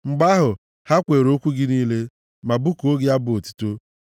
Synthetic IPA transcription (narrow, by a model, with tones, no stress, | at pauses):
ŋ͡m̩˨ɡ͡ba˦ɦʊ˨ | ha˦kʷe˨ɾo˦kʷu˦ɡɪ˦niː˦le˦ | ma˨bu˦ko˦ɡɪ˦a˦bʊ˨o˨tu̥˦to˦